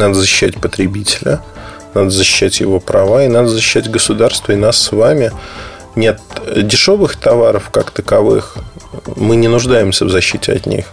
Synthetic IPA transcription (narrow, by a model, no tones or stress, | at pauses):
nad̪əzəɕɪ̥ɕːætʲpət̪ɾʲɪbʲitʲɪlʲə̰ | nad̪əzəɕɪ̥ɕːætʲjɪ̰vopɾɐvaɪnad̪əzəɕɪːɕːætʲɡəsʊd̪arst̪vəɪnasːvamʲɪ | nʲet̪̚dʲɪʂo̞vɨxt̪ɐvaɾəfkakt̪əkɐvɨ̰x | mɨnʲɪnʊʐd̪ajɪmsʲəvzɐɕːitʲɪɐ̰t̪ʲnʲḭx